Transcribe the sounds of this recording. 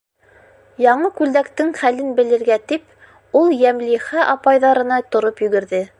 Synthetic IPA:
jɑɴɤkʉld̪ækt̪ɘŋχælɘnbɘ̆lɘ̆ɾɡæt̪ip | ulˠjæmliχæʔɑpɑjðɑɾɤ̆nɑt̪ŏɾopjɵ̆ɡɘ̆ɾðɘ

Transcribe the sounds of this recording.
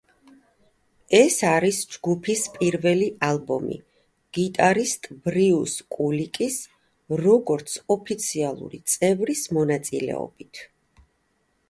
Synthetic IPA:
ɛsaɾisd͡ʒɡupʰispʼiɾvɛliʔalˠbɔ̰mḭ | ɡ̥it̪ʼaɾist̪ʼb̥ɾiuskʼulikʼis | ɾɔɡɔɾt̪sʰɔpʰit̪sʰialˠṵɾḭt̪sʼɛvɾismɔnat̪sʼḭlɛ̰ɔ̰b̥it̪ʰ

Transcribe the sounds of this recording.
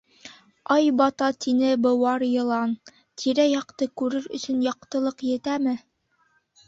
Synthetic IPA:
ɑjbɑt̪ɑt̪inɘbɤ̆wɑɾjɤ̆lˠɑn | t̪ʰiɾæjɑqt̪ɤkʉɾɘɾɵ̰̆sɵ̆njɑq̚t̪ɤ̆lˠɤqjɘ̆t̪æmɘ

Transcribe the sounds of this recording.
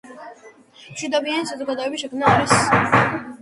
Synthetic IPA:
m̥ʃwid̪ɔbianiʃazɔɡad̪ɔɛbisʃɛkʰmnaːɾis

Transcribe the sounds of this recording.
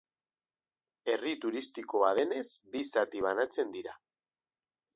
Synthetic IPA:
e̞rit̪uɾist̪iko̞aðe̞ne̞zbisat̪iβ̞anat͡se̞nd̪iɾa

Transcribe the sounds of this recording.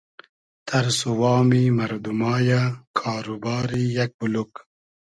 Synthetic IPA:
t̪ʰaɾsuwɑːmimaɾd̪umɑːjakʰɑːɾubɑːɾijak̚buluk

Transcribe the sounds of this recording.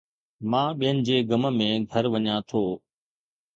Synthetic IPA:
mãːɓijənɪ̆d͡ʑeːɡəməmẽːɡʱəɾʋəɲãːt̪ʰoː

